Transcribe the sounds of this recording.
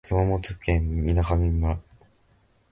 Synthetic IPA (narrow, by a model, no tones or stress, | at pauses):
kɯmamot͡sɨkẽninakamʲimɯɾa